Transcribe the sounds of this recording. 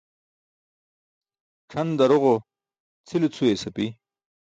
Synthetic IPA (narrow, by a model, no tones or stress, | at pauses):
ʈ͡ʂʰɐnd̪ɐɾoʁo | t͡sʰilit͡sʰuesɐpi